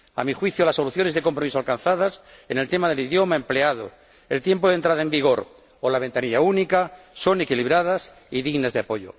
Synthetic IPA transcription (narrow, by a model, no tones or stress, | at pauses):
a̰mixwiθjolasːo̞luθjo̞neðe̞kompɾo̞misoalkan̟θað̞asenelt̪emaðeliðjo̞mae̞mpleaðo̰ | elt̪jempoðent̪ɾaðaembiɣo̞ɾ | olaβe̞nt̪aniʎaunika | so̞ne̞kiliβ̞ɾað̞as | iðiɣnazðeapo̞ʝo̰